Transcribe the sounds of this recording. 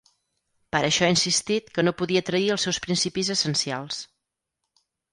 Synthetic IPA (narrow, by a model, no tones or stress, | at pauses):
pəɾəʃɔainsist̪it̪kənopuðiət̪ɾəiəlˠsɛwspɾinsipizəsənsia̰lˠs